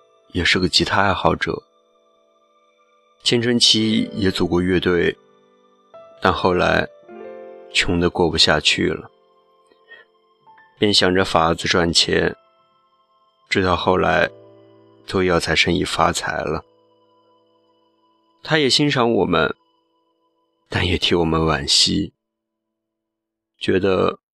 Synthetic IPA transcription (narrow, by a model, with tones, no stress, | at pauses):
jɛ˨˩ʂɻ̩˥˩ɡə˩t͡ɕʰi˧˥t̪ʰa˥a˥˩ɪxɑ˧˩ʊʈ͡ʂɤ̰˨˩˦ | t͡ɕʰjɛ˥nʈ͡ʂʰə˧˥ŋt͡ɕʰi˥jɛ˧˥t͡su˨˩kwɔ˥˧ɥɛ˥˧t̪we˥˩ɪ | t̪a˥˧nxo˥˩ʊla̰˧˥ɪ | t͡ɕʰjʊ˧˥ŋd̪ə˧kwɔ˥˩pu˧˥ɕja̰˥˧t͡ɕʰy̰˥˩lə̰˩ | pjɛ˥˩nɕjɑ˨˩ŋʈ͡ʂə˧fa˧˥d͡zɹ̩˧ʈ͡ʂwa˥˩nt͡ɕʰjɛ̰˧˥n | ʈ͡ʂɻ̩˥˧d̪ɑ˥˧ʊxo˥˩ʊla̰˧˥ɪ | t̪o˥ʊjɑ˥˩ʊt͡sʰa˧˥ɪʂə˧˥ŋḭ˨˩fa˥t͡sʰa˧˥ɪlə˧ | t̪ʰa˥jɛ˨˩ɕi˥nʂɑ˧˥ŋwɔ˨˩mə̰˦n | t̪a˥˩njɛ˨˩t̪ʰi˧˥wɔ˨˩mə˦nwa˨˩nɕi˥ | t͡ɕɥɛ˧˥d̪ə̰˧